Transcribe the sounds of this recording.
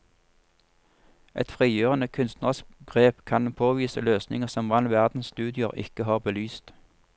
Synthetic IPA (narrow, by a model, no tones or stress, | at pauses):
ʔɛ̰t̪fʁiːjøːʁənəkʰʉnst̪nɑsɡ̥ʁeːpkʰɑnpʰoːʋiːsəløːsnɪŋəʁsɔmʋɑnʋæʁd̪n̩sst̪ʉːd̪ɪəʁɪ̰kəhɑːʁbəlyːst̪